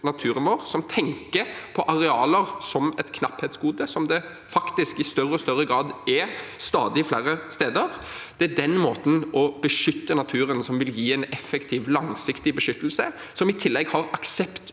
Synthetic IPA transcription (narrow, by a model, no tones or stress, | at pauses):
nɑt̪ʰʉːɾənʋoːɾsɔmt̪ʰɛŋkəpʰɔʔɑɾɛɑːləʁsɔmɛt̪kʰnɑpheːt̪sɡuːd̪əsɔmd̪ɛ | fɑkt̪ɪskɪst̪œɾəɔst̪œɾːəɡɾɑːd̪ɛst̪ɑːd̪ɪflæːɾəst̪eːd̪əʁd̪̥ɛæd̪ɛnmoːt̪n̩ɔbəʂʏt̪ːənɑt̪ʰʉːɾənsɔmʋɪljiːɛɪnɛfːɛkt̪ʰiːʋlɑŋsɪkt̪ɪbəʃʏt̪ːl̩sə | sɔmɪt̪ʰɪlːɛɡhɑɾɑksɛpt̪